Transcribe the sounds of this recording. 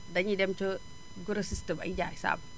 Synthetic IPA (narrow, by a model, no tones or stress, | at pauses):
daɲidɛmt͡ʃə | ɡuɾəsistəma̰id͡ʒaisa̰b